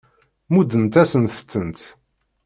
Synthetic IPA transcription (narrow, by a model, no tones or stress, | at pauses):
mud̪ənt̪æsənθə̥t͡sːənt̪